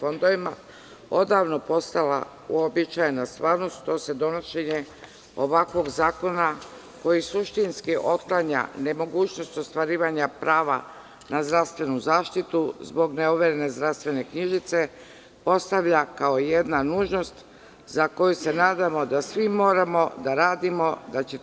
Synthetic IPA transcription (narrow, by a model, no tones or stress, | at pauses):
fo̞nd̪oʋima | o̞d̪aːʋno̞po̞st̪ala̰ | ṵobit͡ʃajenast̪ʋaːɾno̞st̪t̪o̞se̞d̪o̞noʃe̞ɲe̞ | o̞̰ʋakʋo̞ɡzaːko̞na | ko̞jisuʃt̪inskiʔo̞t̪klaɲa̰ne̞mo̞ɡuːt͡ɕno̞st̪o̞st̪ʋaɾiːʋaɲapɾʔaːʋa̰ | nazd̪ɾaʋst̪ʋe̞nuzaːʃt̪it̪uzbo̞ɡneoʋeɾene̞zd̪ɾaʋst̪ʋe̞ne̞kɲiʒit̪se̞ | po̞st̪aʋʎakaojed̪nanuːʒno̞st̪ | zako̞juse̞naːd̪amo̞d̪asʋimo̞ːɾamo̞d̪aɾaːd̪imo̞d̪at͡ɕe